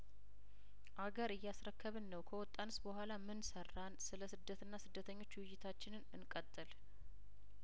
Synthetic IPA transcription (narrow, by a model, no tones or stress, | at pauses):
ʔaɡəɾɨjːasɾəkːəβɨnːəwkʰəwɔt̪ʼːanɨsbəɦʷalamɨnsərːansɨləsɨd̪ət̪ʰɨnːasɨd̪ːət̪ʰəɲːo̞t͡ʃːwɪjːɪt̪ʰat͡ʃːɪnɨnɨnkʼət̪ʼːɨl